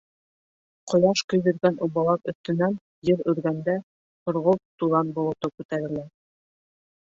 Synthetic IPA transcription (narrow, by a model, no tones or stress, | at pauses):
qŏjɑʃkɵ̆jðɵ̆ɾɡænʔuβɑlˠɑpɵ̆θt̪ɵ̆næn | jɘɾɵ̆ɾɡænd̪æ | hŏɾʁolt̪uðɑnbŭlˠɤ̆t̪ɤp̚kʉt̪æɾɘ̆læ